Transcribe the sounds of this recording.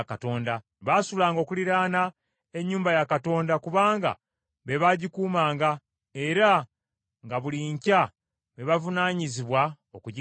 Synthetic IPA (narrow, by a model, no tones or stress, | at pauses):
kato̞ːnda | βaːsulaːŋɡo̞ːkuliɾaːna | e̞ɲːuːmbajakato̞ːndakuβaːŋɡa̰ | βe̞βaɟikuːmaːŋɡa | e̞ɾa | ŋɡaβuliɲca | βe̞βavunaːɲiziβwa | okuɟ